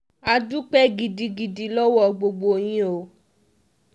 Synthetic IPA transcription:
a˧du˦k͡pɛ˦ɡi˧di˧ɡi˧di˧lɔ˦wɔ˦˨ɡ͡bo˧ɡ͡bo˧˨j̃ĩ˧o˨

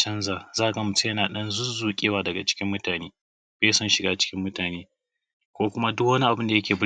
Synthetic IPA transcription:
t͡ʃɐ˦nzaː˨zaː˦˨ɡɐ˨mʊ˨te˦jɐ˦naː˨ɗɐ˦nzʊ˦zuː˨kʲʼeː˦waː˦˨dɐ˨ɡa˨t͡ʃɪ̥˦kʲɪ˦mːʊ˦taː˨neː˦ | beː˦sɐ˦nʃɪ˨ɡaː˦t͡ʃɪ̥˦kʲɪ˦mːʊ˦taː˨neː˦ | kʷoː˦kʷʊ˦ma˦dʊ˦kwɐ˦ni˦ʔa˨bɪ˦nda˨jɐ˦kʲeː˨b

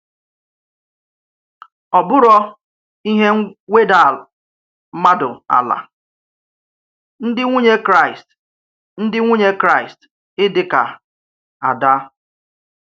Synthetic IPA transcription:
ɔ˨bʊ˦ɾɔ˦ | i˦ɦe˦ŋʷe˦da˨ | m̩˦ma˦dʊ˨a̰˨la̰˨ | n̩˦dɪ˦ŋʷu˦ɲe˦kɾa˦˨ɪ˨st | n̩˦dɪ˦ŋʷu˦ɲe˦kɾa˦˨ɪ˨st | ɪ˦dɪ˦ka˨ | a˨da˦

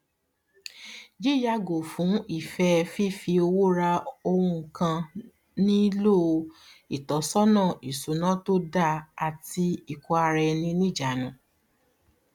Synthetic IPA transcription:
d͡ʒe˦ja˧ɡo˨fũ˨˦i˦˨fɛ˧fi˦˨fi˧o˧wo˦ɾa˧o˧ɾũ˧˨kã˧ | nĩ˦lo˦˧i˨tɔ˨˦sɔ˦nã˦˨i˨su˨˦nã˦to˦da˦˧a˨ti˧i˨kɔ˧a˧ɾɛ˧nĩ˧nĩ˦˨d͡ʒa˨nũ˨˦

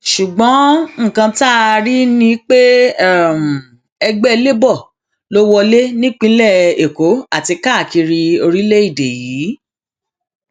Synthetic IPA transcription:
ʃu˨ɡ͡bɔ̃˨˦ŋ̩˦˨kã˧ta˦˧ɾi˦nĩ˦k͡pe˦ɛ˦˨m̩˨ | ɛ˧ɡ͡bɛ˦˧le˦bɔ˦˨ | lo˦wɔ˧le˦nĩ˦k͡pĩ˦lɛ˦˨e˨ko˨˦a˦˨ti˧ka˦˨ki˧ɾi˧o˧ɾi˦le˦i˦˨de˨jiː˨˦

